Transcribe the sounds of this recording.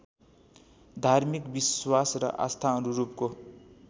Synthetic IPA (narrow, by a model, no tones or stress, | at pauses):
d̪ʱarmikbiswasrʌ̰ʔa̰st̪ʰaʌnuɾupko